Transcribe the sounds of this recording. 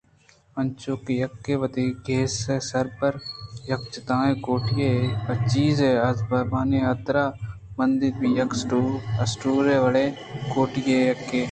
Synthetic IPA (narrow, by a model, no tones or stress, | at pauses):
ɐnt͡ʃoːkejɐkːeːʋəd̪iːɡʱeːseːsɐɾpəɾjɐkt͡ʃɪt̪ãːẽkoːʈɪjeɐt͡ʃiːzeːɐzbɐɾmaːneːɐt̪ɾaː | mɐnd̪ɪɾbijɐksʈuɐsʈuːɾeːʋəleː | koːʈɪjejɐkːeː